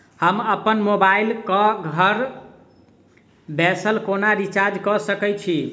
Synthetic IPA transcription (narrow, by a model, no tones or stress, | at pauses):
həməpənmobailkɔɡʱəɾ | bɛsəlkonaɾit͡ʃaɾd͡ʒkɔsəkɛt͡ʃʰi